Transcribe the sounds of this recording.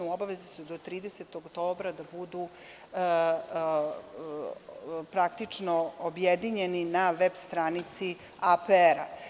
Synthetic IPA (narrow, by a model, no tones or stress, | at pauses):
uobaʋezisud̪ot̪ɾiːd̪e̞set̪oɡt̪o̞ːbɾad̪abud̪u | pɾak̚t̪it͡ʂnoobjed̪iɲe̞ninaʋebst̪ɾaːnit̪si | apeeɾa